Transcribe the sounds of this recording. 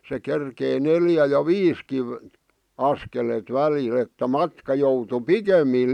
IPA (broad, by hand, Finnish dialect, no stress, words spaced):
se kerkei neljæ jɑ ʋiːski ɑskelet ʋælil etːæ mɑtkɑ joutu pikemːiˑl̆